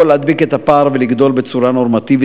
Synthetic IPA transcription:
olead̪bike̞t̪apaːʁveliɡd̪o̞lbet͡suɾano̞ʁmat̪ivi

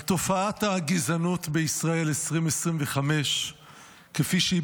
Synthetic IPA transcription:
t̪o̞faathaːɡizanut̪beisʁae̞lesʁimesʁimveχame̞ʃ | kefiʃei

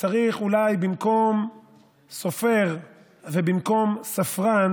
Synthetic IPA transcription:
t͡saʁiχulajbimko̞m | so̞fe̞ʁ | vebimko̞msafʁan

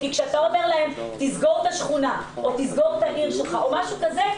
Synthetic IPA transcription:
kikʃeat̪ao̞ve̞ʁlae̞mt̪izɡo̞ʁt̪aʃχunaot̪izɡo̞ʁt̪aʔiʁʃelχaomaʃukaze̞

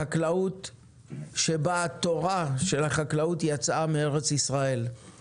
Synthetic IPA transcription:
aklaut | ʃe̞baːt̪o̞ʁaʃe̞laχaklautjat͡samee̞ʁe̞t͡sisʁae̞l

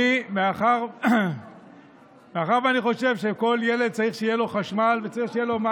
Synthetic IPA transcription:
imeaχaʁ | meaχaʁvaniχo̞ʃe̞vʃeko̞lje̞le̞d̪̚t͡saʁiχʃeijelo̞χaʃmalve̞t͡saʁiχʃeijelo̞ma

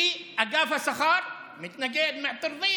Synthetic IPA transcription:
iʔaɡaːfasɑxɑːɾˤ | mɪt̪naɡeːd̪maʕt̪ˤːɨɾðˤiː

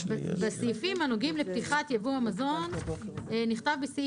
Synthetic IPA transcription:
basifimhanoɡimlept̪iχat̪javuamazo̞neniχt̪avbisi

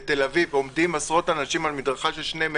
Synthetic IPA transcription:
t̪elavivo̞md̪imasʁo̞tanaʃimalmid̪ʁaχaʃelʃnem

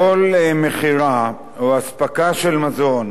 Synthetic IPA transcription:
olmeχiʁa | oaspakaʃelmazo̞n

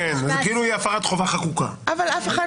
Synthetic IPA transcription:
enazkiilujeafaʁat̪χo̞vaχakuka̰ʔavalafeχa

